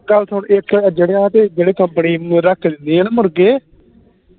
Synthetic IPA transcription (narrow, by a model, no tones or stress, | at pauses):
ɡəlt̪ʰʊɳɪkːd͡ʒeːɽeːaːt̪eːd͡ʒeːɽeːkəmpəniːɾəkʰːd̪ɪnd̪iːaːnːmʊɾɡeː